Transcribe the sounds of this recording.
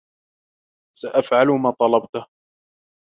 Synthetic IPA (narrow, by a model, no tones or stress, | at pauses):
saʔafʕalʊmaːt̪ˤɑlɑbt̪ʊh